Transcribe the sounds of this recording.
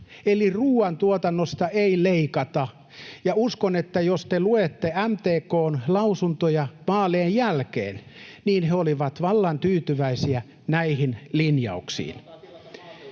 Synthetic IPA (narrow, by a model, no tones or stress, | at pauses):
eliruːɑnt̪uot̪ɑnːost̪ɑʔeileikɑt̪ɑ | jɑuskonet̪ːæjost̪eluet̪ːeæmt̪eːkoːnlɑusunt̪ojɑʋɑːleːjjælkḛːnniːnheoliʋɑt̪ʋɑlːɑnt̪yːt̪yʋæisiæ | næihinlinjɑ̰uksḭːn